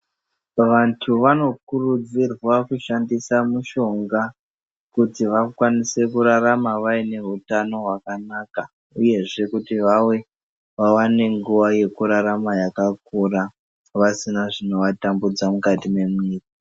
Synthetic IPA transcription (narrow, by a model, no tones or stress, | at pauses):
ʋantʰuʋano̞kurud͡zirwakuʃandisamuʃo̞ŋɡa | kutiʋakwanise̞kuɾaɾamaʋaine̞ɦutano̞ɦwakanaːka | uje̞ʐe̞kutiʋawe̞ | ʋawane̞ŋɡuʋaje̞kuɾaɾamajakak̚ura | ʋasinaʐino̞ʋatambud͡zamukatime̞muiːka